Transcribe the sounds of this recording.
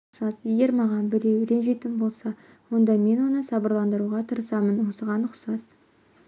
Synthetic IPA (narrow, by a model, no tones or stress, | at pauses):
sɑzje̞ɡʲe̞ɾmɑʁɑnbɪɾe̞wʏɾe̞nʒe̞jt̪ɪnbo̞lˠsɑ | wo̞nd̪ɑme̞nwo̞nəsɑbəɾlˠɑnd̪əɾuʁɑt̪ʰəɾəsɑmənwosəʁɑnʊqsɑz